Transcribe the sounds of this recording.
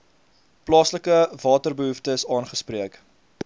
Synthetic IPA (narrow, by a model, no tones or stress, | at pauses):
plɑːsləkəvɑːtərbəɦuftəsɑːnχəspriək